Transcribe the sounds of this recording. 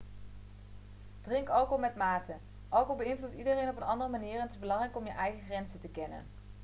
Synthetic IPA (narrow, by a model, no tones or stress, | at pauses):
d̥rɪŋkɑlˠkomɛtmaːtə | ʔɑlˠkobəɪnvlutidərejnɔpənɑndərəmaniːrɛntɪzbəlɑŋrɛjkɔmjəʔɛjχəχrɛnzətəkɛnə̰n